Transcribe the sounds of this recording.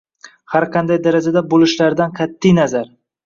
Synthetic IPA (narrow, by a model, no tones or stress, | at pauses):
haɾqʰɑnd̪ajd̪aɾad͡ʒad̪abolɪʃlaɾd̪anqʰat̪ʰːijnazaɾ